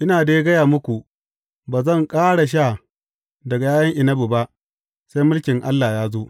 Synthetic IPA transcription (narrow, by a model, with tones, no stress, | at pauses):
ʔɪ˦naː˨deː˦ɡɐ˦jaː˨mʊ˦kʷu˨ | baː˨zɐ˦˨ŋkʼaː˦ɽa˨ʃ̬aː˦˨ | dɐ˨ɡa˨jaː˦jɐ˦ŋʔɪ˨nɐ˦bu˨ba˦ʔ | sa˦jmʊ˦lkʲɪ˨ŋʔa˦lːaː˨jaː˦zoː˦